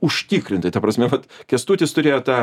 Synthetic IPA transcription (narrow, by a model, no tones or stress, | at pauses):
ʊʃʲt̪ʲiːkɾʲɪnt̪ɐɪt̪ɐpɾɐsʲmʲɛʋɐt̪kʲɛst̪uːt̪ʲɪst̪ʊɾʲeːjoːt̪ɑː